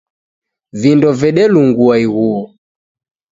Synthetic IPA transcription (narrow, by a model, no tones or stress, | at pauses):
vindɔvɛɗɛluŋɡuaiɣuɔ